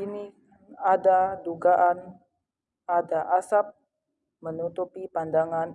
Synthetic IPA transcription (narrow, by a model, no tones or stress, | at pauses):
ini | adaduɡaʔan | adaʔasap̚ | mənut̪upipandaŋan